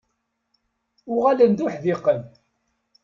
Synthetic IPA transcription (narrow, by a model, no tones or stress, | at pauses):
ʊʁalənd̪ʊħðɪqən